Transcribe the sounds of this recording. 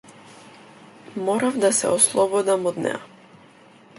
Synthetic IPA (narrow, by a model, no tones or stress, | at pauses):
mɔɾavd̪asɛ̰ɔslˠɔbɔd̪amɔd̪nɛ̰ja